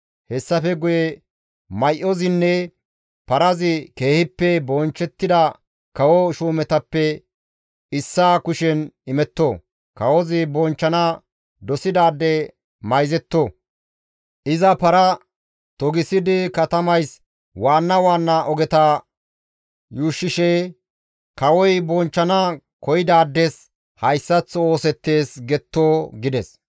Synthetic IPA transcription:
hɛsːɐfɛɡʊjɛ | mɐjʔɔzɪnːɛ | pɐɾɐzɪke̞ːhɪpːɛbɔnt͡ʃːɛt̪ːɪd̪ɐ | kɐwɔʃuːmɛt̪ɐpːɛ | ɪsːaːkʊʃɛnɪmɛt̪ːo | kɐwɔzɪbɔnt͡ʃːɐnɐ | d̪ɔsɪd̪aːd̪ːɛ | mɐjzɛt̪ːo | ʔɪzɐpɐɾɐ | t̪ɔɡɪsɪd̪ɪkɐt̪ɐmɐjs | waːnːɐwaːnːɐʔɔɡɛt̪a | juːʃːɪʃeː | kɐwɔjbɔnt͡ʃːɐnɐ | kɔjɪd̪aːd̪ːɛs | hɐjsːɐt͡sːoːsɛt̪ːe̞ːsɡɛt̪ːoːɡɪd̪ɛs

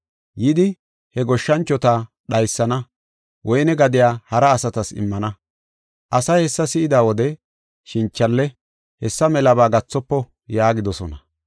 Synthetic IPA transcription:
jɪd̪ɪ | hɛɡɔʃːɐnt͡ʃːɔt̪a | ɗɐjsːɐnɐ | wʔɔjnɛɡɐd̪ɪjaːhɐɾɐːsɐt̪ɐsɪ̰mːɐnɐ | ʔɐsɐjhɛsːɐsɪʔɪd̪aːwɔd̪ɛ | ʃɪnt͡ʃːɐlːɛ | hɛsːɐmɛlɐbaːɡɐt͡sːɔpːɔ | jaːɡɪd̪ɔsɔnɐ

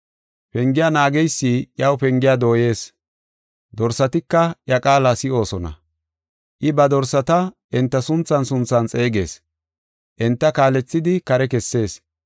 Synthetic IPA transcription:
pɛŋɡɪjaːnaːɡɛjsːijɐwpɛŋɡɪjaːd̪o̞ːje̞ːs | d̪ɔɾsɐt̪ɪkːɐjɐkʼaːlasɪo̞ːsɔnɐ̰ | ʔɪbɐd̪ɔɾsɐt̪ɐ | ʔɛnt̪ːɐsʊnt͡sːɐnsʊnt͡sːɐnt͡sʼe̞ːɡe̞̰ːs | ʔɛnt̪ːɐkaːlɛt͡sːɪd̪ɪkɐɾɛkɛsːe̞ːs

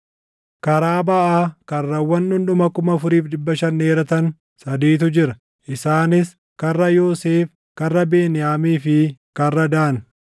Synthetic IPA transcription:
kɐɾaːbɐʔaːkɐrːɐwːɐnᶑʊnɗʊmɐkʊmɐfʊɾiːfd̪ɪbːɐʃɐnːeːɾɐt̪ɐn | sɐd̪iːt̪ʊd͡ʒɪɾɐ | ʔɪsaːnɪs | kɐrːɐjoːseːf | kɐrːɐbeːnɪjaːmiːfɪkɐrːɐd̪aːn

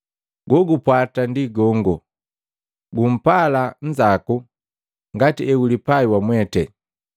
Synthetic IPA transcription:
ɡɔɡupwatandiɡɔŋɡɔ | ɡum̩palan̩d͡ʒaku | ŋɡatiɛulipaiwamwɛtɛ

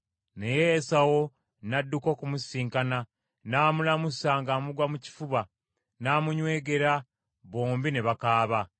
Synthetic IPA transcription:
nejeːsawo | nadːuko̞ːkumusiːŋkana | naːmulamusaːŋɡamuɡwamuci̥fuβa | naːmuɲwe̞ːɡe̞ɾa | βoːmbineβakaːβa

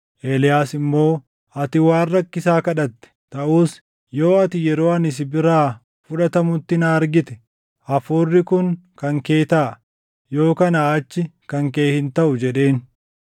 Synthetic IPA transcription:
ʔeːlɪjaːsɪmːo̞ː | ʔɐt̪ɪwaːrːɐkːɪsaːkɐᶑɐt̪ːɛ̥t̪ɐʔuːs | jo̞ːɐt̪ɪjɛɾo̞ːɐnɪs̬ɪbɪɾaː | fʊᶑɐt̪ɐmʊt̪ːɪnaːɐɾɡɪt̪ɛ̥ | ɐfoːrːɪkʊŋkɐŋke̞ːt̪aː | jo̞ːkɐnaːt͡ʃːɪkɐŋke̞ːhɪnt̪ɐʔʊd͡ʒɛᶑe̞ːn

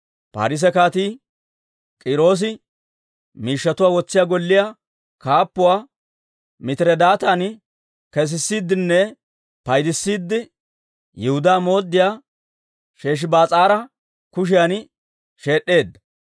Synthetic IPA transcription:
pa̰ːɾɪs̬ɛkaːt̪iː | kʼɪɾo̞ːs̬ɪ | miːʃːɐt̪ʊwaːwɔt͡sːɪjaːɡɔlːɪja | kaːpːʊwaː | mɪt̪ɪɾɛd̪aːt̪aːn | kɛs̬ɪsːiːd̪ːɪnːɛ | pɐjd̪ɪsːiːd̪ːɪ | jɛhʊd̪aːmo̞ːd̪ːɪjaː | ʃeːʃ̬ɪbaːt͡sʼaːɾɐ | kʊʃ̬ɪjan | ʃe̞ːɗːe̞ːd̪ːɐ

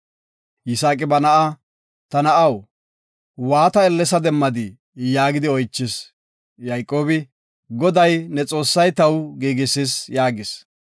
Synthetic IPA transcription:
jɪsaːkʼɪbɐnɐʔa | t̪ɐnɐʔɐw | waːt̪ɐɛlːɛsɐd̪ɛmːɐd̪ɪ | jaːɡɪd̪ɪɔjt͡ʃːɪs | jɐjkʼːo̞ːbɪ | ɡɔd̪ɐjnɛt͡sʼo̞ːsːɐjt̪ɐwɡiːɡɪsɪsjaːɡɪs

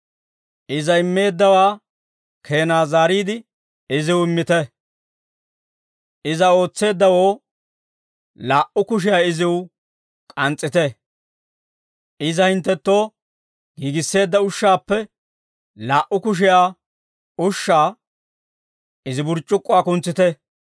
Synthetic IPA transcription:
ʔɪzɐɪmːe̞ːd̪ːɐwaː | kʰe̞ːnaːzaːɾiːd̪ɪ | ɪzɪwɪmːɪt̪ɛ | ɪzɐo̞ːt͡sːe̞ːd̪ːɐwo̞ː | laːʔʊkʊʃ̬ɪjaːɪzɪw | kʼɐnt͡sʼːɪt̪ɛ | ɪzɐhɪnt̪ːɛt̪ːo̞ː | ɡ̥iːɡɪsːe̞ːd̪ːɐʊʃːaːpːɛ | laːʔʊkʊʃ̬ɪjaː | ʊʃːaː | ɪzɪbʊɾt͡ʃʼːʊkʼːʊaːkʊnt͡sːɪt̪ɛ

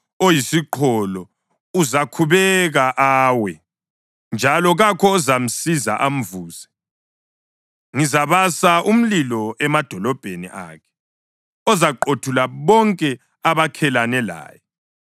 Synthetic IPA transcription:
ojisiǃʰɔlɔ | uzakʰuβɛɣaʔaːwɛ | nd͡ʒʱalɔɣakʰɔːzam̩siza̰ʔam̩vuːzɛ | ŋizaβasaʔum̩lilɔɛmad̥ʱɔlɔb̥ʱenḭʔa̰kʰɛ̥ | ɔzaǃotʰulaβɔŋkʼɛ | aβakʰɛlanɛla̰ːjɛ

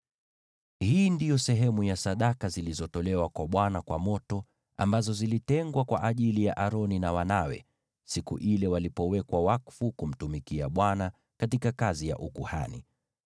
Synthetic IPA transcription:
hiːndijɔsɛɦɛmujasaɗakazilizɔtɔlɛwakwaɓwanakwamɔtɔ | a̰mbazɔzilitɛŋɡwakwa̰ʔaʄilijaʔaɾɔninawanawɛ̰ | sikṵʔilɛwalipɔwɛkwawakfukum̩tumikiaɓwana | katikakazija̰ʔukuha̰nḭ

